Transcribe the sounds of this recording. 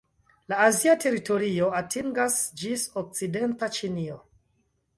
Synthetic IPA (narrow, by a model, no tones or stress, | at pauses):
laːziatʰe̞ɾito̞ɾio̞atʰiŋɡasd͡ʒisok̚t͡side̞ntat͡ʃinio